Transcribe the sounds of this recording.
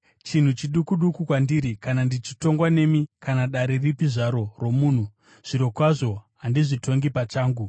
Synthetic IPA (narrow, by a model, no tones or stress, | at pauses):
t͡ʃin̤ut͡ʃiɗukuɗukukwandiɾikanandit͡ʃi̥to̞ŋɡwane̞mikanaɗaɾe̞ripiʐaɾo̞ro̞muːn̤u | ʐ̥iɾo̞kwaʐo̞ɦandiʐitʰo̞ŋɡipat͡ʃaːŋɡu